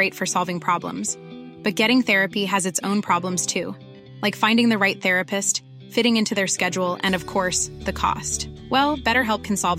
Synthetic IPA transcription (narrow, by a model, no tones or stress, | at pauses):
eɪtfə˞sɑlˠvɪ̃ŋpʰɹ̥ɑblə̰̃mz̥ | b̥ʌt̚ɡ̥ɛɾɪ̃ŋθɛɹɨpiɨzɨtsõʊ̃npʰɹ̥ɑblə̃mz̥tʰʉ | laɪkfãɪ̃ndɪ̃ŋðɨɹaɪt̪̚θɛɹɨpɨst | fɪɾɪ̃ŋɪ̃ntʰʉðə˞skɛd͡ʒul̩ˠɨ̰̃nʌv̥kʰɔɹsðɨkʰɔ̰stwɛlˠb̥ɛɾə˞ɦɛlˠp̚kʰn̩sɑlˠv